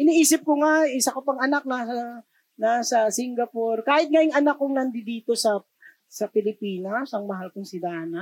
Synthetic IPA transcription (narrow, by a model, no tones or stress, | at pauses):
ʔɪniʔiːsɪp̚koŋaɪsɐkopɐŋɐnak̚nasɐ | nasɐsɪŋɡɐporkaːhɪt̪̚ŋajɪŋʔɐnakːʊŋnɐnd̪ɪd̪iːt̪o̞sɐ | sɐpɪlɪpiːnɐsɐŋmɐɦalkʊŋsɪd̪aːnɐ